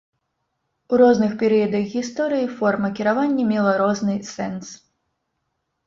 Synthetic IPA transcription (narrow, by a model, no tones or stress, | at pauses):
uɾɔznɨxpʲɛɾɨjɐd̪ɐɣɣʲist̪ɔɾɨjifɔrmɐkʲiɾavanʲːɐmʲɛlˠɐɾɔznɨsɛns